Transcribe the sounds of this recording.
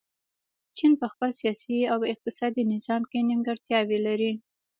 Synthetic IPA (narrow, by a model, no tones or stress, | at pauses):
t͡ʃinpəxpəlsijɑsiawɪq̚t̪ɪsɑd̪inɪzɑmkenɪmɡəɽt̪jɑwelaɾi